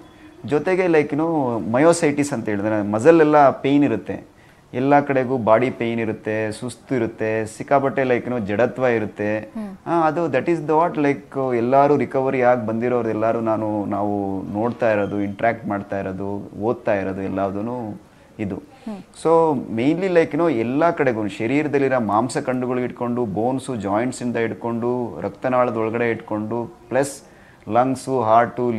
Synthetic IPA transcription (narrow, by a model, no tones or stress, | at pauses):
d͡ʒɔt̪eɡe̞lɐjknoːmɐjoːsɐjʈisɐnt̪ɐɦeːɭiɐɾemɐzɐlːɛlːɐpe̞ːniɾut̪ːe̞̰ | ɛlːɐkɐɽe̞ɡuːbaːɽipejniɾut̪ːesust̪uiɾut̪ːe̞sikaːpɐʈːelɐjknoːd͡ʒɛɽɐt̪ʋaːiɾut̪ːe̞aɐd̪ud̪ɐʈisd̪ɐʋaːʈlɐjkɛlːaːɾuːɾikɐʋɐɾijaːɡ̚bɐnd̪iɾoːʋɐɾd̪ɛlːaːɾuːnaːnunaːʋuno̞ːɽt̪aːiɾod̪uiɳʈɾaːk̚ʈ̚maːɖt̪aːjiɾod̪uoːd̪̚t̪aːjiɾod̪uɛlːaːʋd̪unuː | id̪u | soːme̞jnlilɐjknoːɛlːɐkɐɽe̞ɡunʃɐɾiːɾɐd̪ɐlːiɾɐmaːmsɐkɐɳɖuɡɐɭuiʈko̞ɳɖuboːnsud͡ʒaːjɳʈsind̪ɐiɽko̞ɳɖuɾʔɐkt̪ɐnɐʋaːɭɐd̪ɔɭɐɡɐɽe̞iʈko̞ɳɖuplɐs | lɐŋsuɦaːɾʈu